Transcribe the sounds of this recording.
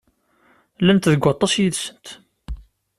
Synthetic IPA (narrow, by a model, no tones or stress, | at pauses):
lænt̪ðəɡʷːɑt̪ˤːɑsjiðsənt̪